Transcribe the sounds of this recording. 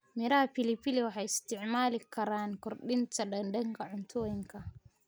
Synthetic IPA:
mɪɾɐhɐpɪlɪpɪlɛwɑħɑjɪst̪ʰɪʕmaːlɪkʰɐɾaːnkʰɔrɗɪnt̪ʰɐɗɐndɐŋkʰɐʕʊnt̪ʰɔːjɪŋkʰɐ

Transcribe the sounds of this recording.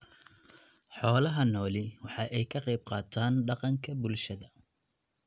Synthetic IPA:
ħɔːlɐɦɐnɔːlɪwɑħɑːʔɛjkʰɐqɛjb̚qɑːt̪ʰaːnɖɑqɑŋkʰɐbʊlʃɐðɐ

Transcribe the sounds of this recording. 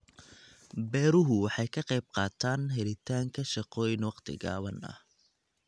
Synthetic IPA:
bɛːɾʊɦʊwɑħɑjkʰɐqɑjb̚qɑːt̪ʰaːnɦɛlɪt̪ʰaːŋkʰɐʃɑqɔːjnwɑqt̪ʰɪ̰ɡa̰ːβɐnɐ̰h

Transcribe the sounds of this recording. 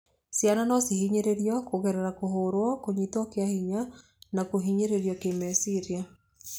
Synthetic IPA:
sjananɔsihiɲeɾeɾjɔkoɣɛɾeɾakoɦoɾwɔkoɲitwɔkeahiɲa | nakoɦiɲeɾeɾjɔkemɛsiɾia

